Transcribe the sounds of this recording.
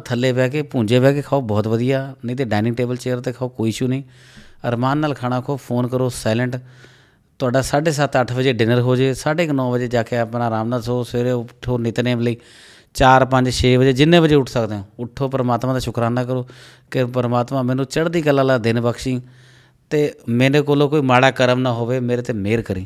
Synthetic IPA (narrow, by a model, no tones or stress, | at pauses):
t̪ʰəlːeːpɛːkeːpũːɲd͡ʒeːpɛːk̬eːkʰaːoːbɔːt̪ʋəd̪ɪjaːnə̃ːt̪eːɖaːnɪ̃ŋʈeːbəlt͡ʃeːəɾt̪eːkʰaoːkoːiːʃuːnĩː | əɾmaːnːaːlkʰaːɽ̃ãːkʰoːpʰoːnkəɾoːsaːlə̃ɳʈ | t̪ʊaːɖaːsaːɖeːs̬ət̪əʈʰbəd͡ʒeːɖɪnəɾɦoːd͡ʒeːsaːɖeːknɔ̃ːbəd͡ʒeːd͡ʒaːkeapnaːɾaːmnaːd̪soːseːɾeːʈʰːoːnɪt̪nẽːləiː | t͡ʃaːɾpəɲd͡ʒʃʰeːbəd͡ʒeːd͡ʒɪnːẽːbəd͡ʒeːʊʈʰsəkd̪eõːʊʈʰːoːpəɾəmaːt̪mãːd̪aːʃʊkɾaːnaːk̬əɾoː | kɪpəɾmaːt̪mãːmɛ̃ːnũːt͡ʃəɽd̪iːkəlːãːlaːd̪ɪnbəkʃĩː | t̪eːmeːneːkoːlõːkoːiːmaːɽaːkəɾəmnaːɦoːʋeːmeːɾeːt̪eːmeːɾkəɾĩː